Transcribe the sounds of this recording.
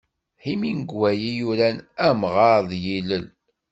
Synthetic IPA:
himinəɡwæjijuɾænæmʁɑɾðˤjiləl

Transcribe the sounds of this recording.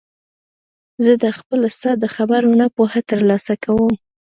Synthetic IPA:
zəd̪əxpəlost̪ɑd̪əxabaɾunapohat̪əɾlɑsakawəm

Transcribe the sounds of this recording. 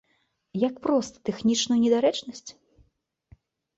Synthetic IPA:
jakpɾɔst̪ɐ̥t̪ɛxnʲit͡ʂnujunʲɛd̪aɾɛt͡ʂnɐsʲt͡sʲ

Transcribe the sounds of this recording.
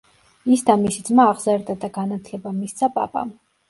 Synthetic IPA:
isd̪amisid̪zmaːʁzaɾd̪ad̪aɡanat̪ʰlɛbamist̪sʰapʼa̰pʼa̰m

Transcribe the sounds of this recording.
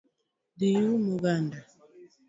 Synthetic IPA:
dijumuɣanda

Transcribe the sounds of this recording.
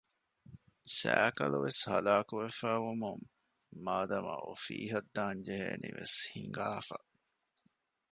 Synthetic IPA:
sæːkɐluʋeshɐlaːkuʋefæːʋumuŋː | aːd̪ɐmɐ̰ʔofiːɦɐd̪ːaːnd͡ʒeɦeːniʋeshiŋɡaːfɐ

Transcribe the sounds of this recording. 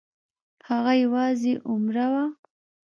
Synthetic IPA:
haɣajawɑzeʔʊmɾawa

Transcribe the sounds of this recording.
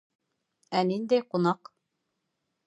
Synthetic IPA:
ænind̪æjqŭnɑq

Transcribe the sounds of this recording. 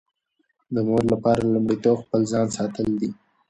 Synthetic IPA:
d̪əmoɾlapɑɾalʊmɽit̪oxpəlzɑnsɑt̪əld̪i

